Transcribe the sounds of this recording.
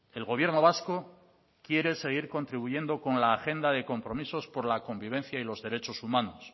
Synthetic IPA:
e̞lɣo̞βje̞ɾno̞β̞asko̞ | kje̞ɾe̞se̞ɣ̞iɾko̞nt̪ɾiβuje̞nd̪o̞ko̞nlaːxe̞nd̪aðe̞ko̞mpɾo̞miso̞spo̞ɾlako̞mbiβ̞e̞nθjailo̞zðe̞ɾe̞t͡ʃo̞sumãnos

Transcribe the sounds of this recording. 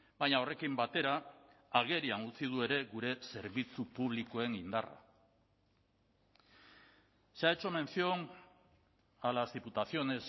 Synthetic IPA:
bajɲao̞re̞kimbat̪e̞ɾaːɣe̞ɾianut͡sið̞ue̞ɾe̞ɣuɾe̞se̞ɾβit͡supuβ̞liko̞e̞ŋind̪ara̰ | seaet͡ʃo̞me̞nsio̞n | alazðiput̪aθio̞ne̞s

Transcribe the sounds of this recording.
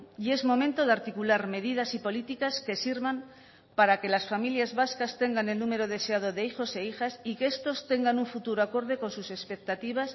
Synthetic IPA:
ie̞zmõ̞mẽnt̪o̞ðaɾt̪ikulaɾme̞ðið̞asipo̞lit̪ikaske̞siɾβam | paɾake̞lasfamiljazβaskast̪e̞ŋɡane̞lnume̞ɾo̞ð̞e̞seað̞o̞ðe̞ixo̞se̞ixasikeest̪o̞st̪e̞ŋɡanuɱfut̪uɾoako̞ɾð̞e̞ko̞nsuse̞spe̞k̚t̪at̪iβ̞as

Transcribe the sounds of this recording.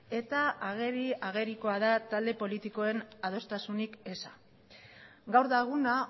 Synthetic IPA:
e̞t̪aːɣe̞ɾiaɣ̞e̞ɾiko̞aðat̪ald̪e̞po̞lit̪iko̞e̞nað̞o̞st̪asunike̞sa | ɡawɾðaɣuna

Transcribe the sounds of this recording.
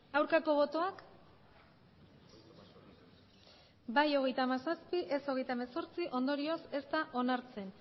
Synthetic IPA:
awɾkako̞βo̞t̪o̞ak | bajo̞ɣe̞jt̪aːmasaspiʔeso̞ɣejt̪aemaso̞ɾt͡siʔo̞nd̪o̞ɾio̞se̞st̪aʔo̞naɾt͡se̞n

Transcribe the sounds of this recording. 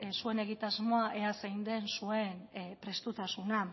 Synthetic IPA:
sue̞ne̞ɣ̞it̪azmo̞aʔe̞asejnd̪e̞nsue̞npɾe̞st̪ut̪asuna

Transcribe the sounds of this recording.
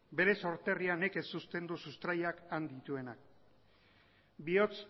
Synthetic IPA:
be̞ɾe̞so̞ɾt̪e̞riane̞kesust̪e̞nd̪usust̪ɾajakand̪it̪ue̞nak̚ | bio̞t͡s

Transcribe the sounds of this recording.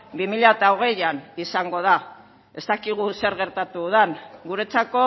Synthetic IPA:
bimiʎat̪aoɣ̞e̞janisaŋɡo̞ð̞a | e̞st̪akiɣ̞use̞ɾɣe̞ɾt̪at̪uð̞aŋɡuɾe̞t͡sako̞

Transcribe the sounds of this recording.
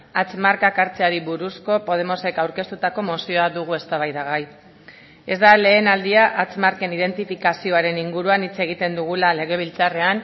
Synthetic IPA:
at͡smaɾkakaɾt͡seaɾiβuɾusko̞po̞ð̞e̞mo̞se̞kawɾke̞st̪ut̪ako̞mo̞sioaðuɣ̞ue̞st̪aβajðaɣaj | e̞zd̪ale̞ːnald̪iaʔat͡smaɾke̞nið̞e̞nt̪ifikasio̞aɾe̞niŋɡuɾuanit͡se̞ɣ̞it̪e̞nd̪uɣ̞ulale̞ɣ̞e̞β̞ilt͡sare̞an

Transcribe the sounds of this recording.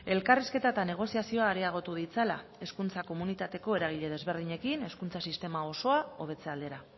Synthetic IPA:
e̞lkariske̞t̪aet̪ane̞ɣ̞o̞siasio̞aːɾe̞aɣ̞o̞t̪uðit͡sala̰e̞skunt͡sako̞munit̪at̪e̞ko̞e̞ɾaɣ̞iʎe̞ð̞e̞zβe̞ɾðiɲe̞kine̞skunt͡sasist̪e̞mao̞so̞ao̞β̞e̞t͡se̞ald̪eɾa

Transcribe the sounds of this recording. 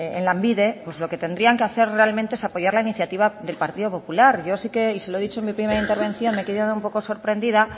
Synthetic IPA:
enlambiðe̞pwozlo̞ke̞t̪e̞nd̪ɾiaŋkeaθe̞ɾre̞alment̪eesapoʝaɾlainiθjat̪iβ̞aðe̞lpaɾt̪iðo̞po̞pulaɾʝo̞sike̞iseloeðit͡ʃoenmipɾimeɾaint̪e̞ɾβ̞e̞nθjo̞nmekeðjaðumpo̞ko̞so̞ɾpɾe̞nd̪ið̞a

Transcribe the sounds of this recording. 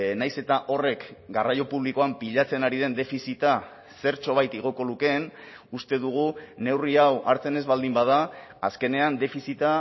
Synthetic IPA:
najse̞t̪aʔo̞re̞kɡarajo̞puβ̞liko̞ampiʎat͡se̞naɾið̞e̞nd̪e̞fisit̪a | se̞ɾt͡ʃo̞β̞ajt̪iɣ̞o̞ko̞luke̞n | ust̪e̞ðuɣ̞une̞wriawʔaɾt͡se̞ne̞zβald̪imbað̞aː | ske̞ne̞and̪e̞fisit̪a

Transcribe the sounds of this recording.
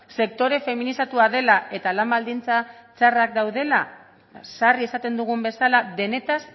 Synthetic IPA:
se̞kt̪o̞ɾe̞fe̞minisat̪uaðe̞laʔe̞t̪alambald̪int͡sat͡sarakd̪awð̞e̞la | sarie̞sat̪e̞nd̪uɣ̞umbe̞salaðe̞ne̞t̪as

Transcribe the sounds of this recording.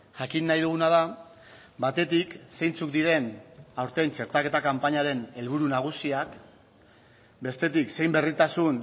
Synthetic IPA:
ʝakinːajðuɣ̞unað̞a | βat̪e̞t̪ikse̞jnt͡suk̚d̪iɾe̞nawɾt̪e̞jnt͡ʃe̞ɾt̪ake̞t̪akampaɲaɾe̞ne̞lβ̞uɾunaɣ̞usiak | be̞st̪e̞t̪ikse̞jmbe̞rit̪asun

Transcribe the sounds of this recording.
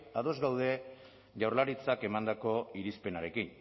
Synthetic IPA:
aðo̞zɡawðe̞ | ʝawrlaɾit͡sake̞mand̪ako̞iɾispe̞naɾe̞kin

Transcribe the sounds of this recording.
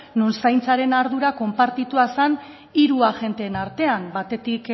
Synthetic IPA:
nunsajnt͡saɾe̞naɾð̞uɾako̞mpaɾt̪it̪uasan | iɾuaʝe̞nt̪eːnaɾt̪e̞ambat̪e̞t̪ik

